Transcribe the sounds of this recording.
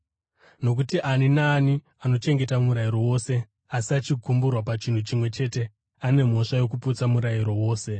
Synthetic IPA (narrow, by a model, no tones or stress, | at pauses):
no̞k̬utiʔaninaːni | ano̞t͡ʃe̞ŋɡe̞tamuɾaiɾo̞wo̞se̞ | asiat͡ʃikumburwapat͡ʃin̤ut͡ʃimwe̞t͡ʃe̞te̞ | ane̞m̤o̞ʂajo̞k̬uput͡samuɾaiɾo̞wo̞ːse̞